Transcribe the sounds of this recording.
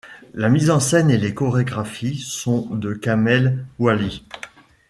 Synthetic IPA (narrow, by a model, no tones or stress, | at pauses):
lamizɑ̃sɛnelekɔʁeɡʁafisɔ̃d̪əkamɛlwali